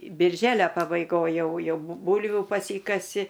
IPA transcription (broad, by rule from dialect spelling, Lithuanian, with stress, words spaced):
bʲɪrʲˈʒʲæːlʲɛ pɐbɐɪˈɡoːj ˈjɛʊ ˈjɛʊ ˈbuːlʲʋʲuː pɐˈsʲiːkɐsʲɪ